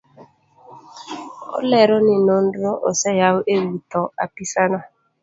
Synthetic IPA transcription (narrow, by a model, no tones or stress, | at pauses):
o̰lɛɾɔnɪnon̩dɾoʔo̰sɛjaoʔewutɔa̰pisana